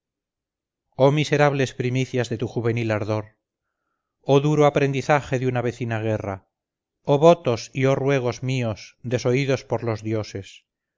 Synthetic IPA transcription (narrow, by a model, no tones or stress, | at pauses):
omise̞ɾaβ̞le̞spɾimiθjazðe̞t̪uxuβ̞e̞nilaɾðo̞ɾ | oðuɾoapɾe̞nd̪iθaxe̞ðunaβe̞θinaɣ̞era | oβot̪o̞siorwe̞ɣ̞o̞zmiosd̪e̞so̞iðo̞spoɾlo̞zðjo̞se̞s